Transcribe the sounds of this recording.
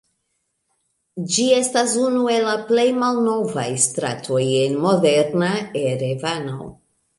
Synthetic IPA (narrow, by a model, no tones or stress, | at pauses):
d͡ʒie̞stas̬unue̞laple̞jmalno̞vajstɾa̰tʰo̞je̞nmo̞de̞ɾnaeɾevano̰